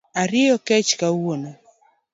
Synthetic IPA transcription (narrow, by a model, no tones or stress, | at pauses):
aɾɪjɔkɛt͡ʃkawona